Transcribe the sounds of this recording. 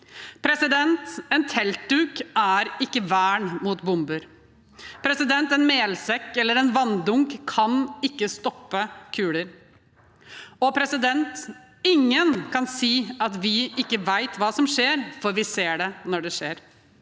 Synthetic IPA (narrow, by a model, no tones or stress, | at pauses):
pʰɾɛsɪd̪ɛnt̪ɛnt̪ʰɛlt̪̚d̪ʉːkʔæɾɪkːəʋæːɳmuːt̪bʊmbʉɾ | pʰɾɛsɪd̪ɛnt̪ɛnmeːlsɛkːɛlːəɾɛnʋɑnd̪ʊŋkkʰːɑnɪkːəst̪ɔpːəkʰʉːləɾ | ɔpʰɾɛsɪd̪ɛnt̪ | ɪŋːənkʰɑnsiːɑt̪ʋɪɪkːəʋæɪt̪ʋɑːsɔmʂeːɾfɔɾʋɪseːɖɛnɔɖɛʂeːɾ